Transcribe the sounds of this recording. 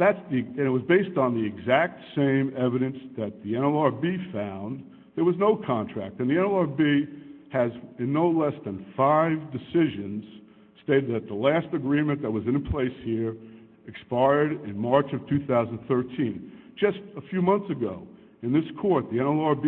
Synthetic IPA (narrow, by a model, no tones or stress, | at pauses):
ðætsðiɨ̃nɨt̚wʌzbeɪstn̩ðiɨɡzæk̚tsẽɪ̃mɛvɨɾɨ̃nsðɨt̪̚ðiɛ̃ñɛlˠɑɹbifãʊ̃n | ðə˞wʌznoʊkʰɑ̃ntʰɹ̥æ̰k̚tɨ̃nðiɛ̃ñɛlˠɑɹbiɨzɨ̃nːoʊlɛsðɨ̃nfaɪvdɨsɪʒɨ̃nz̥ | steɪɾɨd̪̚ðɨt̪̚ðəlæstɨɡɹĩmɨ̃nðɨt̚wʌzɨ̃npʰl̥eɪshiɹ | ɨkspaɪə˞ɾɪ̃nmɑɹt͡ʃʌv̥tʰʉθaʊzn̩θɜ˞tʰĩn̥d͡ʒʌstəfjʉmʌ̃nθsɨɡoʊ | ɨ̃nðɪskʰɔɹt̪̚ðiɛ̃ñɛlˠɑɹb